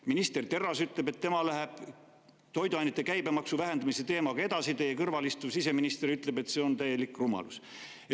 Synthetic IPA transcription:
minist̪e̞rt̪e̞rːɑsyt̪ˑle̞be̞t̪ːe̞mɑlæɦeb̥ | t̪o̞jd̪uɑjnet̪ːˑe̞kæjbemɑksuvæɦe̞nd̪ɑmiset̪e̞ːmɑɡɑe̞d̪̥ɑsit̪e̞jːekɤrvɑlist̪usise̞minist̪e̞ɾyt̪ˑle̞be̞t̪ːse̞o̞nt̪æjːe̞likːˑrumɑ̰lus | e

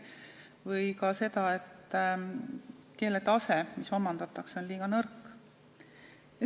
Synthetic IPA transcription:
vɤjkɑse̞d̪ɑet̪ː | kelet̪ɑsemiso̞mːɑnd̪̥ɑt̪ːˑɑkso̞nliːɡ̥ɑnɤrkː

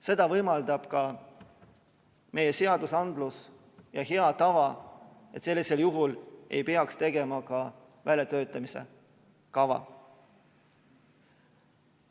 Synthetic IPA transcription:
se̞d̪̥ɑvɤjmɑld̪ɑb̥kɑ | me̞je̞se̞ɑd̪̥usɑnd̪lus | jɑɦeɑt̪ɑvɑ | et̪se̞lːise̞ljuɦule̞jpe̞ɑkst̪e̞ɡe̞mɑkɑ | vælʲjɑt̪ø̞ːt̪ːˑɑmise̞̰ | kɑvɑ̰

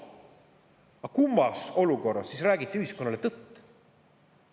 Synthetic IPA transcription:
ɑkumːɑso̞luko̞rːɑsːisræːɡit̪ːˑiyɦisko̞nːɑle̞t̪ɤt̪ː

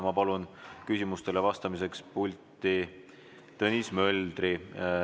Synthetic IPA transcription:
mɑpɑlunkysʲimust̪e̞levɑst̪ɑmis̬e̞kspulʲt̪i | t̪ɤnismø̞ld̪̥ɾi

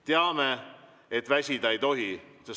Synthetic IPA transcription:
t̪eɑme | et̪væsʲid̪ɑejt̪o̞ɦises

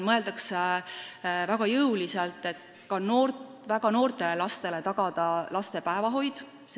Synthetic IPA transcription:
mɤe̞ld̪ɑks | væɡ̥ɑjɤwliselt̪ːˑe̞t̪ | kɑnoːr | væɡɑno̞ːrt̪ˑe̞lelɑst̪e̞le̞t̪ɑɡ̥ɑd̪̥ɑlɑst̪e̞pæevɑɦo̞jd̪̥ | s

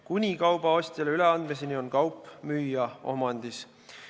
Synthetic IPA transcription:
kunʲikɑwb̥ɑo̞sʲt̪ʲɑleyleɑnd̪mes̬enio̞nkɑwpːˑmyːjɑo̞̰mɑnʲd̪̥is

